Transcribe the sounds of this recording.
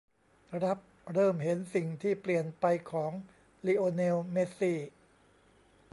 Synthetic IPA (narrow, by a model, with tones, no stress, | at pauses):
ɾa˦˥p̚ | ɾɤː˥˩mɦe˩˦nsi˨˩ŋt̪ʰiː˥˩pli˨˩ənpa˧jkʰɔː˩˦ŋ | liː˧ʔoː˧neː˧wme˦˥siː˥˩